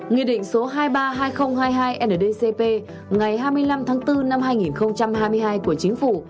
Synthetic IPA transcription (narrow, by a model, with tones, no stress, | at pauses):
ŋi˧əɗḭ̈˧˨ŋ̟so˨˦ɦaː˧jɓaː˧ɦaː˧jxə˧wŋ͡mhaː˧jɦaː˧jʔɛ˧nə˨ɗe˧se˧pe˧ | ŋa˨˩jɦaː˧jmɨ˧əjla˧mt̪ʰaː˨˦ŋt̪ɨ˧na˧mɦaː˧jŋi˨˩nxə˧wŋ͡mt͡ɕa˧mɦaː˧jmɨ˧əjɦaː˧jku˧˩ət͡ɕï˨˦ŋ̟fu˧˩